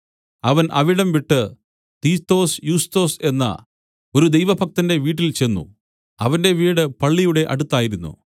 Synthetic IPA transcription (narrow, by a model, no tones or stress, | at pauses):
ɐʋɐnʔɐʋiɽɐmʋiʈːɨ | t̪iːt̪ːo̞ːsjuːst̪o̞ːse̞nːɐ̰ | o̞ɾud̪ejʋɐbʱɐk̚t̪ɐnde̞ʋiːʈ̬ːilt͡ɕe̞nːṵ | ɐʋɐnde̞ʋiːɽɨpɐɭːijuɽe̞ʔɐ̰ɽut̪ːaːjiɾunːṵ